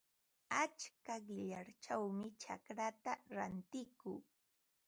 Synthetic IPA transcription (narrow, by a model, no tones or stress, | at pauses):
at͡ʃkaɢɪʎaɾt͡ʃawmɪt͡ʃa̰kɾat̪aɾant̪ɪkʊː